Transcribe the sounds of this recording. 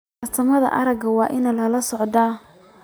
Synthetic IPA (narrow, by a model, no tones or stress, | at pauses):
ɐrt̪ʰɐmɐðɐ̰ʔɐɾɐɡɐwɑːʔɪnɐlɐlɐsɔʕd̪aː